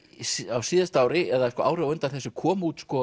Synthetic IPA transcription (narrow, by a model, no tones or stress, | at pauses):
sawsiːðast̪aːwɾɪɛðakɔːʔa̰ːwɾɪawœnt̪aθɛsːɪkʰɔːmuːt̪skɔ